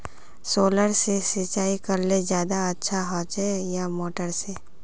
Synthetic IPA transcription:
soːləɾsesɪt͡ʃaːikɐɾlezjaːd̪aɐtːʃʰaɦɔːt͡ʃejamoːʈəɾse

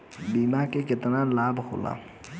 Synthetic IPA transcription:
biːmakekɪt̪nalaːbho̰la̰

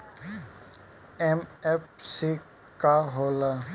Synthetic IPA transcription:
emepsi | kaɦoːla

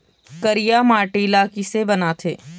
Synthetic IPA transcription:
kəɾijamaːʈilaːkisebɐnat̪ʰeː

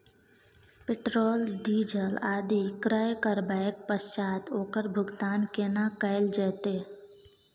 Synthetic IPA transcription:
pɪʈɾoːlɖiːd͡ʒəlaːd̪ikɾəjkəɾbaek̚pəst͡ʃaːt̪oːkəɾbʱʊɡt̪aːnkeːnakəɪld͡ʒɛːt̪eː

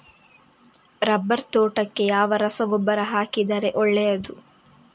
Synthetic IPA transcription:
ɾɐbːɐɾt̪oːʈɐkːe̞jaːʋɐɾɐsɐʋɔbːɐɾɐɦaːkid̪ɐɾe̞ʔɔɭːejɐd̪u

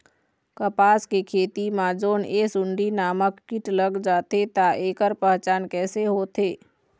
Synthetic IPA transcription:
kəpaːskekʰeːt̪imãd͡ʒoːneːsʊɳɖinaːməkːɪʈləɡd͡ʒaːt̪et̪aʔeːkəɾpəɦt͡ʃaːnkɛːseɦoːt̪ʰeː

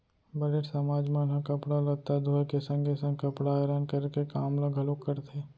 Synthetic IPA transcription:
bɐleʈsɐmaːd͡ʒmənɦɐkɐpɽalɐɡ̚t̪ad̪ʱoːjkesɐ̃ŋɡesɐ̃ŋɡkɐpɽaeɾaːnkɐɾkekaːmləɡʱɐlokːəɾt̪ʰeː

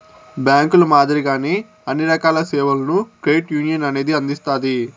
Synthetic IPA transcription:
bjaːŋkulumaːd̪ɐɾiɡaːneː | ɐnːiɾɐkaːlɐseːʋɐlɐnukɾejʈjuːnijɐnɐne̞ːd̪iɐnd̪ist̪aːd̪i

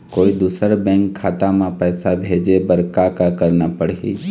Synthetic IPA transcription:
koːid̪uːsəɾbɛ̃ːŋkʰːaːt̪amẽpɛːsabʱeːd͡ʒebəɾkakakəɾnapəɽɦi

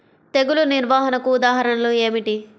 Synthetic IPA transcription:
t̪e̞ɡuluniɾʋaːɦɐnɐkuːd̪aːɦɐɾɐnɐloːeːmiʈi

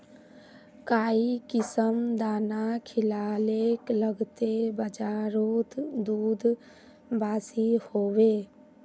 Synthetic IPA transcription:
kaːikɪsəmd̪aːnakʰɪlaːleːkləɡt̪ebəd͡ʒaːɾoːt̪d̪uːd̪ʱ | baːsihoːwe

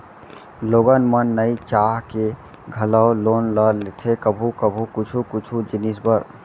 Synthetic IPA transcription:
loɡənmənəit͡ʃaɦke | ɡʱələwlonləɾlet̪ʰekəbʱukəbʱukut͡ʃʰukut͡ʃʰud͡ʒinisbəɾ

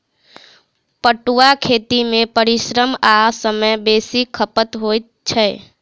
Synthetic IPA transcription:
pəʈuwakʰeːt̪imẽpəɾɪʃɾəmasəməjbeːsikʰəpət̪ɦoːt̪t͡ʃʰɛ

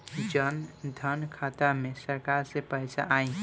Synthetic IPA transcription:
d͡ʒənd̪ʱənkʰat̪amesəɾkaɾsepəjsaʔaĩ

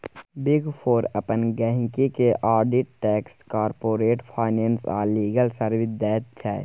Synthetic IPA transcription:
bɪɡpʰoːɾəpənɡɛːɦɪ̃kikeʔʔaːɾɖɪʈ̚ʈɛːkskaːɾpoːɾeːʈpʰaːɪnɛːnsa̰ːliːɡəlsəɾʋɪd̪ɛːt̪̚t͡ʃʰɛ̰ː

